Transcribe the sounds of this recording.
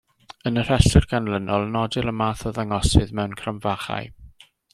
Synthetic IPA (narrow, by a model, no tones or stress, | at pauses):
ənər̥ɛɬɪrɡanlənɔlˠnɔdɪləmaːθɔðaŋɔsɨðmɛwnkʰramvaχa̰j